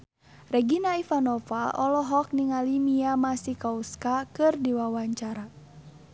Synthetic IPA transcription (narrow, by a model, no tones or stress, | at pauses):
rɛɡinaifanɔfaɔlɔɦɔk̚niŋalimiamasikauskakɨrdiwawaɲt͡ʃaɾa